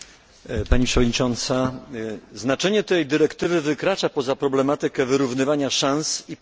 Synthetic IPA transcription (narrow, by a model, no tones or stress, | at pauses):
paɲipʂɛvɔd̪̚ɲit͡ʂɔnt̪sa | znat͡ʂɛɲɛt̪ɛjd̪ɘɾɛkt̪ɘvɘvɘkɾat͡ʂapɔzapɾɔblɛmat̪ɘkɛvɘɾuvnɘvaɲaʂansi